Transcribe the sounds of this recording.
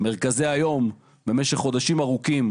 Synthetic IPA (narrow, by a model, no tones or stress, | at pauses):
me̞ʁkazeajo̞m | be̞meʃeχːo̞d̪aʃimaʁukim